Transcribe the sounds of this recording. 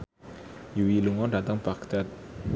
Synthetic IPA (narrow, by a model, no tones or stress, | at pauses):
juwiluŋɔɖat̪əŋb̥ak̚d̪̥at̪̚